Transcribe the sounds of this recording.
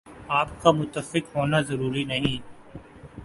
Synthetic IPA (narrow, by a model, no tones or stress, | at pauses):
aːpkamʊt̪ːəfɪqɦoːnazɐɾuːɾinɐɦĩː